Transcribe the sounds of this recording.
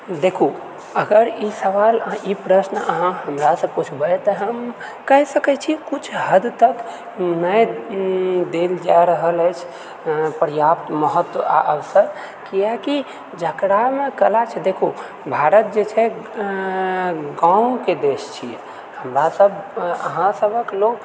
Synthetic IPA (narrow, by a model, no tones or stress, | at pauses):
d̪ekʰu | əɡəɾisəʋalipɾəsnəɦãɦəmɾasə̃put͡ʃʰbəɛt̪əɦəm | kəɦsəkət͡ʃʰikut͡ʃʰɦəd̪t̪ək | nəj | d̪eld͡ʒajɾəɦələjt͡ʃʰ | pəɾjapt̪məɦət̪wəa̰ʔəʋsəɾ | kiaki | d͡ʒəkɾamekəlat͡ʃʰɛd̪ekʰo | bʱaɾət̪̚d͡ʒet͡ʃʰɛ | ɡãũked̪est͡ʃʰi | həmɾasəbə̰ɦãsəbəkloɡ